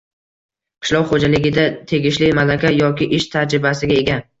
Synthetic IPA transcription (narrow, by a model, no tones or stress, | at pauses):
qʰɨ̥ʃlɒwχod͡ʒalɪɡʲɪd̪at̪ʰe̞ɡʲɪʃlɪmalakʲʰajɒkʲɪʔɪʃt̪ʰad͡ʒɾɪbasɪɡʲae̞ɡʲa